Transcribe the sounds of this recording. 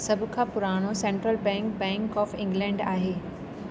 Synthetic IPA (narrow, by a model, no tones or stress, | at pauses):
sɐbʱkʰãpʊɾaːɽ̃osẽːɳʈɾəlbɛ̃ːŋkbɛ̃ːŋkɔːfɪ̃ŋɡlɛ̃ːɳɖa̰ːɦeː